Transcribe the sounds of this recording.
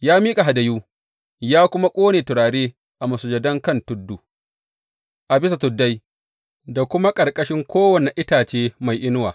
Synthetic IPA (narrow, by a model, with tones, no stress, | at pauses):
jaː˦miː˦kʼa˨ɦa˨dɐ˨juː˦ | jaː˦kʷʊ˦ma˦kʷʼoː˦neː˨tʊ˨ɾaː˨ɽeː˦ | ʔa˨mɐ˨sʊ˨d͡ʒɐ˨dɐ˦ŋkɐ˦˨ntʊ˦dːu˨ | ʔa˨bɪ˦s̬a˨tʊ˨dːa˦j | da˨kʷʊ˦ma˦kʼɐ˨ɾkʼɐ˦ʃɪ˦ŋkʷoː˦wɐ˨ne˨ʔɪ˦taː˨t͡ʃeː˦ma˨jʔɪ˦nʊ˦waː˨